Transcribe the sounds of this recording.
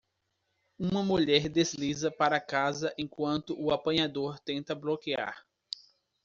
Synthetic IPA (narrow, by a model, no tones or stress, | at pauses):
ũmɐmuʎɛɾd̪ezlizɐpaɾɐkazɐʔẽkwɐ̃nt̪ʊʔʊapɐ̃ɲad̪oɾt̪ẽnt̪ɐblokia̰ɾ